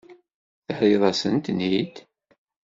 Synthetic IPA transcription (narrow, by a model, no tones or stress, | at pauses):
θəħɾiðˤɑsənt̪nid̪